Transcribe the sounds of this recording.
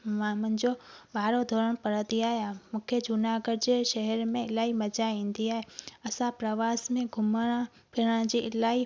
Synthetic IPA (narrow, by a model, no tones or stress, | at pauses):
ʋãmə̃nd͡ʒoɓaːɾod̪ʱoːɾəɽ̃pəɾəd̪iaːjamʊkʰjəd͡ʒʊnaɡəɾd͡ʒeʃəɦɛɾmẽɪlaiməd͡ʒaĩnd̪iaːeəsãpɾəʋasmẽɡʱʊmã | pʰɪɽãd͡ʒiɪlai